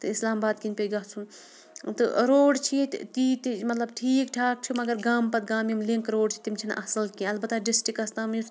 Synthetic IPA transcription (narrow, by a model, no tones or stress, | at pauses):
t̪ɨislaːmbaːd̪kinpʲeɡat͡sʰun | t̪ɨ̰ɾoːɖt͡ʃʰit̪it̪imɐt̪lɐb̚ʈʰiːkʈʰaːk̚t͡ʃʰimɐɡɐɾɡaːmpɐt̪̚ɡaːmimliŋkɾoːɽt͡ʃʰi̥t̪imt͡ʃʰinʔɐ̰sɐlkiɐlbɐt̪ːaɖisʈikɐst̪aːmju